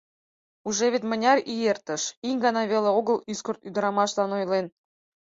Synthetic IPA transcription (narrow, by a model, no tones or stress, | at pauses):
uʒeβʲet̪ʲmə̆nʲɑrijert̪ə̆ʃiŋʲɡɑnɑβʲelʲeoɣɤ̆lˠyskort̪yd̪̆ɾɑmɑʃzɑnojlˠen